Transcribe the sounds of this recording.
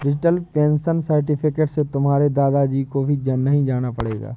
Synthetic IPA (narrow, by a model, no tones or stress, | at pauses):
ɖɪd͡ʒɪʈəlpẽːnsənsəɾʈɪpʰɪkeːʈset̪ʊmɦaːɾed̪aːd̪ad͡ʒiːkobʱid͡ʒənːɐɦĩd͡ʒaːnapɐɽḛːɡa̰ː